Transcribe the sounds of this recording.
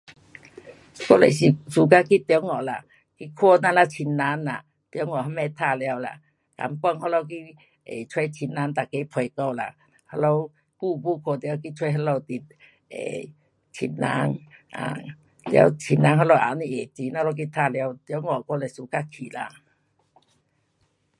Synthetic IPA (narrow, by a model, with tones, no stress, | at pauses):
ko˦˧lḛ˨jsi˨su˨˦ka˧ki˦t̪jo˦wŋɔ˨la̰˧˨ | ki˧˨kʰo˧na˧˨la˧t͡ɕʰi˧nːa˧˦nla̰˨ | t̪jo˧˦wŋɔ˨ɦa˧˦mɛ˧t̪ʰa˧˨lja˧wla̰˧˨ | ka̰˧˦mkɔ˧˨ŋhɔ˦lo˧wki˧ | ḛ˨t͡sʰwe˧˦jt͡ɕʰi˧nna˧˦nt̪a˨ke˧˦pʰwe˨jko˧wla̰˧˨ | ha˧˥lo˧w | ku˧˨bu˧˦kʰo˧˨t̪ja˧˦ki˧˦t͡sʰwe˧˦jɦa˧˦lo˧˨wt̪i˨˩t̚ | ḛ˨ | t͡ɕʰḭ˧˩nna̰˧˦ŋa̰˨ | lja̰˧wt͡ɕʰi˧˩nna˧˦ŋɦɔ˧lo˧˨ʔa̰˧˨ni˧ʔe˨t͡ɕi˧˨˦na˧˦˧lk̬i˧t̪ʰa˧˨lja˧wt̪jɔ˧˦wŋɔ˨ko˧˦le˧˨su˧˨ka˧kʰḭ˨la̰˧˨